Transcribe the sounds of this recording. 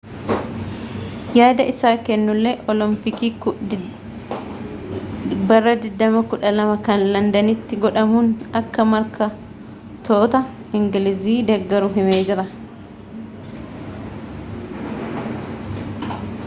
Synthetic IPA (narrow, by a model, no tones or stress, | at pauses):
jaːd̪ɐʔɪsaːkɛnːʊlːeːʔɔlɪmpɪkiː | bɐrːɐd̪ɪd̪ːɐmɐkʊᶑɐlɐmɐkɐnlɐnd̪ɐnɪt̪ːɪɡɔᶑɐmuːnɐkːɐmɐɾkɐ | t̪ʰoːt̪ɐ | ɪŋɡɪlɪziːd̪ɛɡːɐɾʊɦɪmeːd͡ʒɪɾɐ